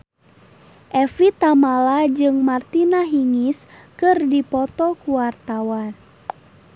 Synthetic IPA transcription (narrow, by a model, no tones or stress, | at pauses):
ʔɛfit̪amalad͡ʒɨŋmart̪inaɦiŋiskɨrdipɔt̪ɔkuwart̪awan